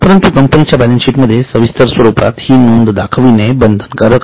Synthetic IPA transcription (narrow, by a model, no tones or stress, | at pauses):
pəɾənt̪ukəmpənit͡ɕjabɛlənsiːʈməd̪ʱːjesəʋist̪əɾsʋəɾupa̰t̪hiːnund̪d̪akʰʋinebənd̪ʱənkəɾək